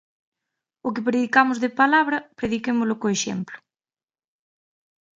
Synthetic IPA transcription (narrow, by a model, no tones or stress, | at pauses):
ʊkɪpɾeðikamʊzðepalaβɾɐpɾeðikemʊlʊkoeʃḛmplʊ̥